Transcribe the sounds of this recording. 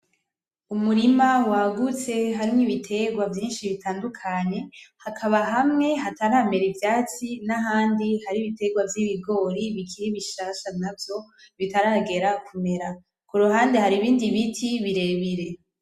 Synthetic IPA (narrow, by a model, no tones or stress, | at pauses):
umuɾimawaɡut͡se̞ɦaɾimniβitʰe̞ɡwavjiːnʃiβitʰaːndukʰaɲe̞hakʰaβaɦamŋe̞ɦataɾame̞ɾivjaːt͡sinaɦaːndihaɾiβite̞ɡwavjiβiɡo̞ːɾiβikʰiɾiβiʃaːʃanavjo̞ | βitaɾaːɡe̞ɾakʰume̞ɾa | kuɾuɦaːndehaɾiβiːndiβitʰiβiɾe̞βiɾe̞